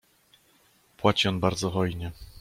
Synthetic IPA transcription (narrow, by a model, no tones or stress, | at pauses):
pwat͡ɕiɔnbaɾd̪zɔɦɔjɲɛ